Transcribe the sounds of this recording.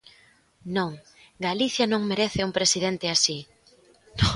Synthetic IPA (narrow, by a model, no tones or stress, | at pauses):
nõŋ | ɡaliθjɐnõŋmeɾeθɪuŋpɾesiðent̪ɪasi | n